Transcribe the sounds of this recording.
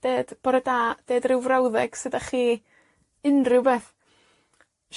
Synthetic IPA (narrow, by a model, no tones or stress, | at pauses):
d̥eːd̥b̥ɔɾədaːd̥eːdrɪwvrawðɛɡ̥sɨdaχiː | ɨnrʊwbeːθ | ʃ